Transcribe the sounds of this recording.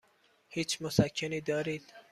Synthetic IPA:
hiːt͡ʃmʊsakʰːeniːd̪ɒːɾiːd̪̥

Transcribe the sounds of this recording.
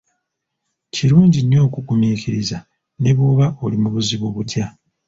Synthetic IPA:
ciɾuːɲɟiɲːo̞ːkukumiːkʰiɾiza | ne̞βoːβao̞limuβuziβoβutja

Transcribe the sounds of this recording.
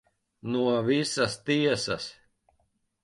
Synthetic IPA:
nuɔvisast̪iɛsas

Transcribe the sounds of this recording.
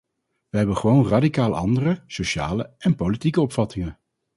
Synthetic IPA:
ʋəɦɛbənχəʋownradikaːlˠɑ̰ndərəsoʃa̰ːləɛnpolitikəɔpfɑtɪŋən

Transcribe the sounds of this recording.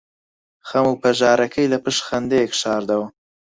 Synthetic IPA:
xɐmupɐʒɑːɾɐkʰɐjlɐpɨʃxɐnd̪eekʃɑːɾd̪ɐwɐ

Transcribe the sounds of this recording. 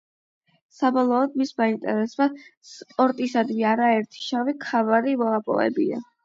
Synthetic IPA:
sabɔlˠɔːd̪mismaint̪ʼɛɾɛsbaspʼɔɾt̪ʼisad̪viaɾaɛɾt̪ʰi̥ʃavikʰavaɾivɔlapʼɔ̰vɛ̰bḭa̰

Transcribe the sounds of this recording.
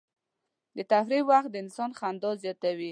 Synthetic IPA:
d̪ət̪afɾiwaxt̪̚d̪əɪnsɔnxand̪ɔzjɑt̪awi

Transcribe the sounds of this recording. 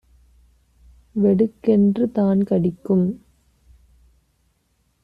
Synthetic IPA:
ʋɛɽɯkːɛndrɯt̪aːnkɐɽɪkːɯm

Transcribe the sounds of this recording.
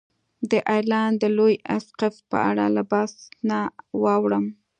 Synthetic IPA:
d̪əʔajlɑnd̪əlojasqafpə̰ʔa̰ɽa̰labɑsnawɑwɽəm

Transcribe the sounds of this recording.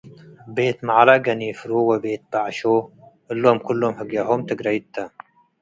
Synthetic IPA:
beːt̪maʕalaɡɐnifɾuwɐbeːt̪̚b̥aʕʃo | ɨlːomkʰʊlːomhəɡjaɦomt̪ɨɡɾɐjit̪ːɐ

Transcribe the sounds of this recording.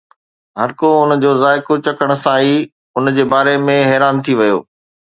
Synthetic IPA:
ɦɐɾkoʊnəd͡ʑoːzaːɪkot͡ɕɐkəɽ̃̆sãiː | ʊnd͡ʑeːbaːɾemẽɦɛːɾaːnt̪ʰiʋɐjo̰ː

